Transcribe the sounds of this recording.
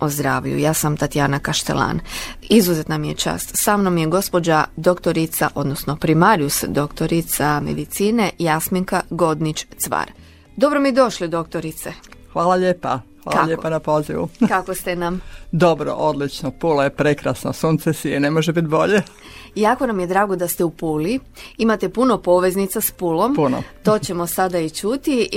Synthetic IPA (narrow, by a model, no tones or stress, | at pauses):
ozd̪ɾaːʋʎṵjaːsamt̪at̪ijaːnakaʃt̪ḛlˠa̰ːnizuzet̪namijet͡ʃa̰ːst̪samnomjeɡo̞spo̞d͡ʑad̪o̞kt̪oɾit̪sa̰ʔo̞d̪nosno̞pɾimaɾjusd̪o̞kt̪o̞ɾit̪samḛd̪it̪siːne̞jasmiŋkaɡo̞d̪nit͡ʃt̪sʋa̰ːɾ | d̪o̞bɾomid̪o̞ʃlid̪o̞kt̪oɾit̪sexʋaːlaʎeːpaxʋa̰ːlaʎepanapo̞ziʋṵkakost̪enamd̪obɾo̰ʔod̪lit͡ʃnopulojepɾekɾasno̰suːnt̪sesienemoʒebit̪bo̞ʎe | jaːko̞namje̞d̪ɾaːɡo̞d̪ast̪eupuli | imat̪e̞puno̞po̞ʋe̞znit̪saspulo̞mpunot̪o̞ːt͡ɕe̞mo̞sad̪ait͡ʃut̪i